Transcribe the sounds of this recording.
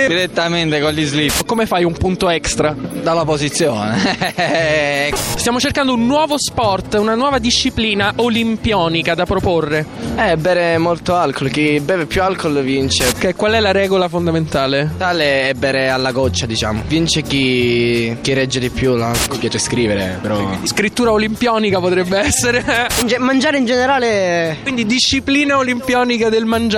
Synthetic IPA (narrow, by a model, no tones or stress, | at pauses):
d̪iɾet̪ːament̪ekolizlipːkːomefajumpunt̪oɛkst̪ɾad̪alːapozit̪sːjoːne | st̪jaːmot͡ʃerkand̪ounːwɔːvospɔrt̪unanwɔːvad̪iʃːipliːnaʔolimpjɔːnikad̪apɾoporːeɛɛbːɛːɾemolt̪oalkolk̟ibɛːvepːjualkolvint͡ʃekɛkwalɛlaɾɛːɡolafond̪ament̪aːlet̪aːleɛbːɛːɾealːaɡɔt͡ʃːad̪it͡ʃa̰ːmovint͡ʃeki | k̟irɛd͡ʒːed̪ipːjulalkopjaːt͡ʃeskɾiːveɾepɾɔimḛskɾit̪ːuːɾaolimpjɔːnikapot̪ɾɛbːeɛsːeɾend͡ʒemand͡ʒaːɾeind͡ʒeneɾaːlewind̪id̪iʃːipliːnaolimpjɔːnikad̪elmand͡ʒ